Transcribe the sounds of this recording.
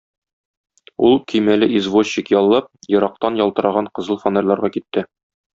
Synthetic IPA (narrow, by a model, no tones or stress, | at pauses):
ulˠkɵjmælɘʔizvosikjɒlˠːɑp̚jɤ̆ɾɑq̚t̪ɑnjɒlˠt̪ɤ̆ɾɑʁɑɴqɤ̆zɤlˠfonĕlːˠɑɾʁɑkit̪ːɘ